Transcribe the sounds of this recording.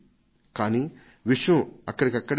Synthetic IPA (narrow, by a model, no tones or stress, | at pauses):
kaːniː | ʋiʂjɐ̃ɐkːɐɽikɐkːɐɽ